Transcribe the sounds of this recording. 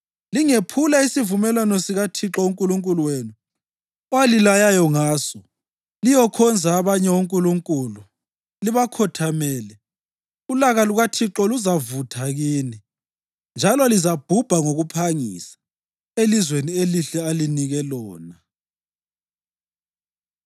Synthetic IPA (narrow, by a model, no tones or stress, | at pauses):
liŋepʰulaisivumɛlwanɔsiɣatʰiǁɔuŋkʼuluŋkʼuluweːnu | ɔwalilajajɔŋaːsɔ | lijɔkʰɔnd͡zʱaːβaɲɛwuŋkʼuluŋkʼuːlu | liβakʰɔtʰamɛːlɛ | ulaɣaluɣatʰiǁɔluzavutʰaɣiːni | nd͡ʒʱalɔlizab̥ʱub̥ʱaŋoɣupʰaŋḭsḁ | elizwenieliɬɛaliniɣɛlɔːna